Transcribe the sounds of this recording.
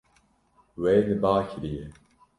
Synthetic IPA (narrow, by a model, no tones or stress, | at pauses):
weːnɨbaːkʰɾije